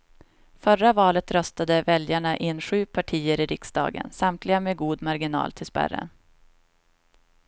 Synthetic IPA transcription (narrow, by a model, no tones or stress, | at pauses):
fœravɑːlət̪ɾœst̪ad̪əvɛljaɳaʔɪnːɧʉ̟ːpʰaʈʰiːəɾɪɾɪksd̪ɑ̰ːɡə̰nsamt̪lɪɡameːɡuːd̪maɾɡɪnɑ̰ːlt̪ʰɪlspæ̰ɾə̰n